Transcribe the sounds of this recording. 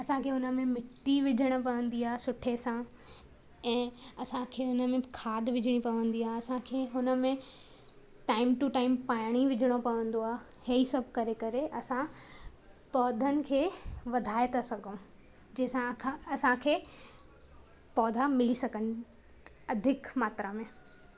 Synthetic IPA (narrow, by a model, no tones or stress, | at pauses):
ɐsãkʰeːʊnə̆mẽmɪʈːiʋɪd͡ʑʱəɽ̃opɐʋə̃nd̪iaːɦesʊʈʰesã | ɛ̃ː | ɐsãkʰeːʊnə̆mẽkʰaːd̪ʱʋɪd͡ʑʱəɽ̃ipɐʋə̃nd̪iaːɦeɐsãkʰeːɦʊnə̆mẽ | ʈaːɪmʈuʈaːɪmpaːɪɽ̃iʋɪd͡ʑʱəɽ̃opɐʋə̃nd̪oaːɦe | hɐisɐbʱkɐɾekɐɾeʔɐsã | pɔːd̪ʱənɪ̆kʰeːʋɐd̪ʱaːet̪ʰasɐɡʱõ | d͡ʑɛːsãkʰãɐsãkʰeː | pɔːd̪ʱamɪlisɐɡʱənɪ̆ | ɐd̪ʱɪkmaːt̪ɾamẽ